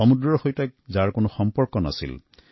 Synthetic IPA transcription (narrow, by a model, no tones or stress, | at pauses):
ɔmudɹɔɹxojtak̚zaɹkonoxɔmpɔɹkɔna̰sḭl